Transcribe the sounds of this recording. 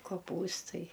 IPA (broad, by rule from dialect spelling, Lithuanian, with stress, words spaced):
koːˈpuːstɐɪ